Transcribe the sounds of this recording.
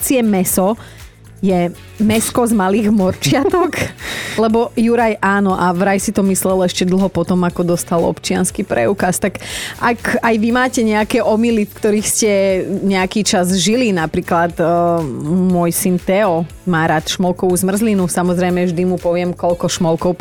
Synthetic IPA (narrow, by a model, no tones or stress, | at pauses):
t͡siɛmɛsɔ | jɛ | mɛskɔzmaliːɣmɔɾt͡ʃɪat̪ɔklɛbɔjuɾajʔaːnɔʔaʋɾajsit̪ɔmislɛlɛʃcɛd̪l̩ˠɦɔpɔt̪ɔmakɔd̪ɔst̪alɔ̰pt͡ʃɪanskiːpɾɛ̰uːkast̪akʔakajʋimaːcɛɲɛakɛːʔɔmilifkt̪ɔɾiːxscɛɲɛakiːt͡ʃazʒilinapɾiːklat̪ | mʊɔjsint̪ɛɔ | maːɾaːt̪ʃmɔlˠkɔʋuzmr̩zlinusamɔzɾɛjmɛvʒd̪imupɔʋɪɛmkɔʎkɔʃmɔlkɔʊ